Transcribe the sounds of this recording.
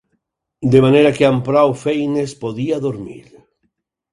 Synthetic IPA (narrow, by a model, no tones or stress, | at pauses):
d̪emaneɾakeampɾawfejnespoðiaðoɾmḭɾ